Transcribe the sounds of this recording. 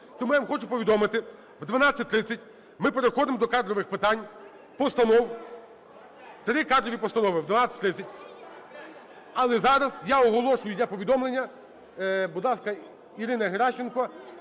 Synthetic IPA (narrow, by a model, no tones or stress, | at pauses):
t̪ɔmujamxɔt͡ʃʊpɔʋʲid̪ɔmɪt̪ɪ | wd̪ʋɐnat͡sʲːɐtʲt̪ɾɪt͡sʲɐtʲ | mɪpeɾexɔd̪ɪmɔd̪ɔkɑd̪ɾɔʋɪxpɪt̪ɑnʲ | pɔst̪ɐnɔw | t̪ɾɪkɑd̪ɾɔʋʲipɔst̪ɐnɔʋɪʋd̪ʋɐnat͡sʲɐ̥t̪ʲɾɪt͡sʲɐtʲ | ɐlˠɛzɑɾɐzjaɔɦɔlˠɔʃʊjʊd̪ʲlʲapɔʋʲid̪ɔmlˠenʲːɐ | bʊd̪lˠɑskɐ | iɾɪnɐɦeɾɑʃt͡ʃenkɔ